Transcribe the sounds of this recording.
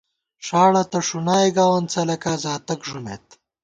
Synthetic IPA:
ʂaːɽɐt̪ɐʂunaːeɡaːwɐnt͡sɐlɐkaːzaːt̪ɐkʐumḛt̪

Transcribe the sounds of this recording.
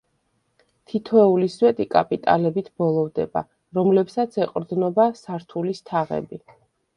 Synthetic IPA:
t̪ʰit̪ʰɔɛuliswɛt̪ʼikʼapʼit̪ʼa̰lɛbit̪ʰb̥ɔlˠɔvd̪ɛba̰ | ɾɔmlɛpsat̪sʰɛqʼɾd̪nɔbasaɾt̪ʰulist̪ʰaʁɛ̰bi

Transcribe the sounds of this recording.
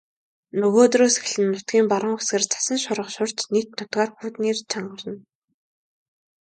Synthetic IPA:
nɵɣoːt̪roːsex̆ɮɘ̆nːʊt̪̚ɡʲiːmpaɾə̆ŋxesɡeːrt͡sʰḁsə̆nʃʊɾə̆χʃʊr̥t͡ɕnikt̪nʊt̪ɢaːrxuːt̪niːrt͡ɕʰaɴɢə̆rə̆n

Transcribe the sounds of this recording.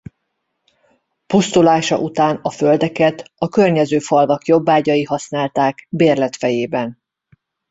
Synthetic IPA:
pust̪ulaːʃɒ̰ʔut̪aːnɒføld̪ɛkɛt̪ɒkørɲɛzøːfɒlvɒkjo̞bːaːɟɒjiɦɒsnaːlt̪aːkbeːrlɛt̪fɛjeːbɛn

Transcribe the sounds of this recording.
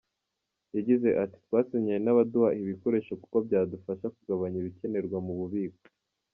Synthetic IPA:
jaɟize̞ʔati̥twaːsiɲijenaβaduhaiβiko̞ɾeːʃoku̥ko̞bɟaːdufaʃakuɡaβaɲiβice̞ne̞ɾɡwamuβuβiɡo̥

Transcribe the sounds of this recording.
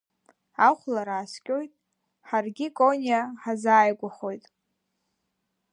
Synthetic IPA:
aχʷlaɾaːskʲʼojtʼ | ħarɡʲikʼonʲiaħazaːjɡʷaχo̞jtʼ

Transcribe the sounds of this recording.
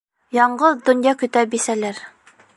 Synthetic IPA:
jɑɴɢɤðd̪ŏnjɑkɵ̆t̪æbisælæɾ

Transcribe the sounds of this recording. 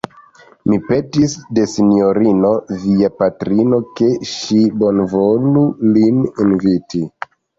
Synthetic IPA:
mipe̞tisde̞sinio̞ɾino̞viapatɾino̞ke̞ʃibo̞nvo̞lulininviti

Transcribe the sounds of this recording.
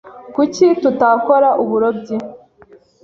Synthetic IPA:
kucitutakoɾaʔuβuɾobɟi

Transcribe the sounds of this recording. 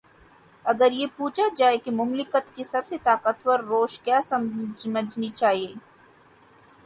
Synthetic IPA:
ɐɡəɾjepuːt͡ʃad͡ʒaːekemʊmlɪkət̪kisɐbset̪aːqət̪wəɾːoːʃkjaːsɐmməd͡ʒnit͡ʃaːɦieː

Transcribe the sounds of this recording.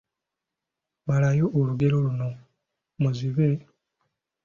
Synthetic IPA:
malajo̞ʔːluɡe̞ɾo̞luno̞ | muziβe̞

